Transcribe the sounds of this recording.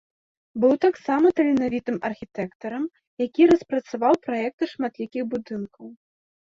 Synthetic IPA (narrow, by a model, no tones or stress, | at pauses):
bɨwt̪aksamɐt̪ɐlʲinavʲit̪ɨmɐrxʲit̪ɛkt̪ɐɾɐm | jakʲiɾɐspɾɐt̪savawpɾajɛk̚t̪ɨʂmat̪lʲikʲixbud̪ɨnkɐw